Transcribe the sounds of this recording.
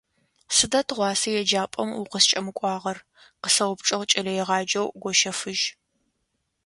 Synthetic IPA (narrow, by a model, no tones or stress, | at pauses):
sɨdɐtʰʁʷɑːsɐjɛd͡ʒaːpʼɐmuqəst͡ʃʼɐmɨkʷʼɑːʁɐr | qəsɐwʊpʈ͡ʂʼɐʁt͡ʃʼɐlɐjɛʁɑːd͡ʒɐwɡʷɔʃɐfɨʒ